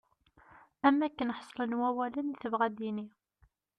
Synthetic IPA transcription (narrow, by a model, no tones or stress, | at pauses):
æmːækːənəħə̥sˤːlənwæwæləniθəvʁæd̪ini